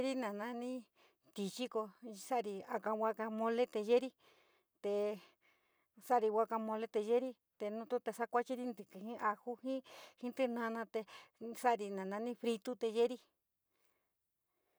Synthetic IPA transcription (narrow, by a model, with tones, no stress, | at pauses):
ɾi˦nã˨nã˧˦nĩ˦ | t̪i˧t͡ʃi˦ko˧sa˦˨˧ɾi˧a˧ka˧wʷa˧ka˧mõ˧le˦t̪e˧ʒe˦ɾi˦ | t̪e˧ | sa˦˨˧ɾi˧wʷa˧ka˧mõ˧le˦t̪e˧ʒe˦ɾi˦ | t̪e˧nũ˧t̪u˦t̪e˧sa˦kʷa˦t͡ʃi˦ɾi˧nd̪ɨ˨kɨ˨hĩ˦ʔa˧hu˦hĩ˦hĩ˦t̪ɨ˦nã˧˦˧nã˧t̪e˧sa˦˧ɾi˧nã˨nã˧nĩ˦fɾi˧t̪u˦t̪e˧je˦ɾi˧